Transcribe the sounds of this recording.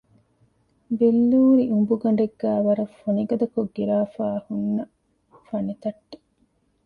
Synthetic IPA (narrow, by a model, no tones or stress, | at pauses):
belːuːɾiʔumbuɡɐɳ̆ɖeɡːæːʋɐɾɐfoniɡɐd̪ɐkoɡːiɾaːfaːhunːɐ | fɐnet̪ɐʈːe̥